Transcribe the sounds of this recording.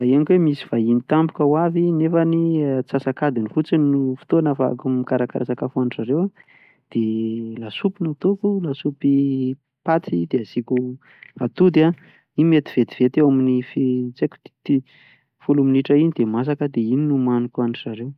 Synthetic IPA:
aeanikwemisi̥v̥ainit̪ambukəwavinefanit͡sasakad̪inifut͡sinufi̥t̪oanafakumikaɾakaɾasakafuanzaɾewa | d̪̥elasupinat̪ukulasupi | pat͡s̪id̪eaz̥iku | at̪ud̪a | imet̪i̥v̥et̪i̥v̥et̪ewaminifet͡seku̥t̪i̥t̪i | fuluminiʈ͡ʂəinid̪emas̬akəd̪eininumanukuanizaɾew

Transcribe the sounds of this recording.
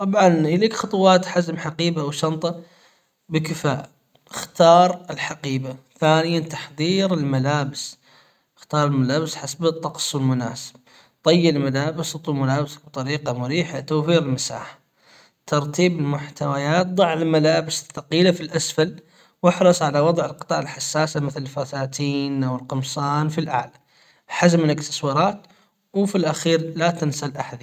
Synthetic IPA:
t̪ˤɑbʕɑnjɪliːkxɑt̪ˤʊwɑːt̪ħazmħaqiːbawʃɑnt̪ˤɑ | bɪkɪfaːʔ | ɪxt̪ɑːɾˤɪlħaqiːbaθaːnɪjant̪ɑ̥ħðˤiːɾɪlmalaːbɪs | xt̪ɑːɾˤɪlmalaːbɪsħasbt̪ˤːɑqsˤwɪlmʊna̰ːsɪ̥b̚ | t̪ˤɑjːɪɪlmalaːbɪsʊt̪ˤwlmʊlaːbsḁk̚bt̪ˤɑɾiːqɑmʊɾiːħat̪awfiːɾɪlmasa̰ːħḁ | t̪ɑɾˤt̪iːbɪlmʊħt̪awajaːt̪̚d̪ˤɑʕːɪlmalaːbɪsɪθːɑqiːlafilʔasfal | wɪħɾˤɑsˤʕalawɑd̪ˤʕɪlqɨt̪ˤɑːʕalħasːaːsamɪθlɪlfasaːt̪iːnʔawɪlqɨmsˤɑːnfilʔa̰ʕla | ħazmɪlɪkt̪ɪ̥swɑɾˤɑːt̪ | wfilʔaxiːɾlat̪ɪnsalʔaħað

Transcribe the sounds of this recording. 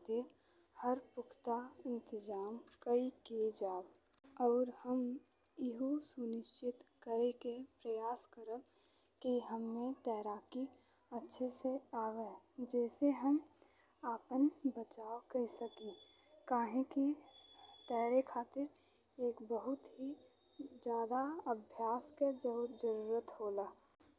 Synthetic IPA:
t̪ɪɾ | həɾpʊkʰt̪aɪ̃nt̪ɪzaːmkəiked͡ʒaːb | ɔːɾhəm | ɪɦosʊnɪʃt͡ʃɪt̪kəɾekepɾəjaːskəɾəb | kiɦəmːẽt̪ɛːɾaːki | ətːʃʰeseaːʋed͡ʒɛːseɦəm | aːpənbət͡ʃaːokɐɾisəkẽ | kaːɦẽki | t̪ɛːɾekʰaːt̪ɪɾ | eːkbəɦʊt̪ɦi | d͡ʒjaːd̪aəbʱjaːsked͡ʒəɾd͡ʒəɾuːɾət̪ɦoːlaː

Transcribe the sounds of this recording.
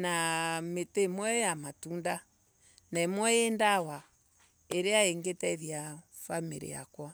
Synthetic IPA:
nametemwɛjamatunda | naemwɔendawa | eɾeaeŋɡetɛiðja | famiɾḭja̰kwa

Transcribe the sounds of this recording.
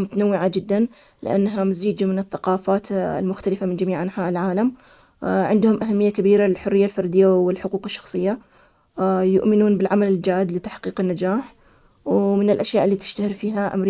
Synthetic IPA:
mʊt̪anawːɪʕad͡ʒɪd̪ːan | lɪ̰ʔa̰nːaɦamaziːd͡ʒmɪnɪθːaqɑːfaːt̪lmʊxt̪alɪfamɪnd͡ʒamiːʕʔanħaːʔɪlʕaːlam | ʕɪnd̪hʊmʔaɦamːɪjːakabiːɾalɪlħʊrːɪjːalfɑɾˤd̪ɪjːawɪlħʊquːqɪʃːɑ̥xsˤɨjːa | jʊ̰ʔmɪnuːnbɪlʕamalɪld͡ʒaːʔɪd̪lɪt̪ḁħqiːqɪnːad͡ʒaːħ | wmɪnɪlʔaʃjaːʔɪlːiːt̪ɪ̥ʃt̪ahɪɾfiːɦaʔa̰mɾ

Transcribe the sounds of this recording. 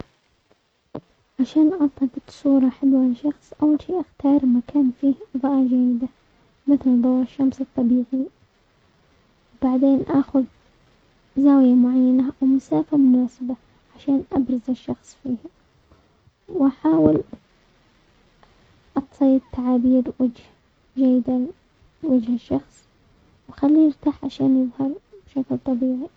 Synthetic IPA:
ʕaʃaːnʔɑsˤlɑt̪ɪt̪sˤuːɾˤɑħɪlwalʃɑxsˤʔawːalʃiːʔaxt̪ɑːɾˤmakaːnfiːhðˤɑʔɑd͡ʒaːjɪd̪a | mɪθld̪ˤɑwaʃːamsɨt̪ˤːɑbiːʕi | wbaʕd̪eːnʔaːxʊð | zaːwɪjamʊʕajːanawmʊsaːfamʊnaːsɪba | ʕaʃaːnʔabɾˤɑzaʃːɑxsˤfiːh | wʔaħaːwɪl | ʔɑt̪sˤiːd̪̚t̪ʰːaʕabiːɾwad͡ʒh | d͡ʒajːɪd̪a | wad͡ʒhaʃːɑxsˤ | wxalːiːnɪɾt̪aːħʕaʃaːnjɪðˤhɑɾˤb̥ɪʃaklt̪ˤɑbiːʕi

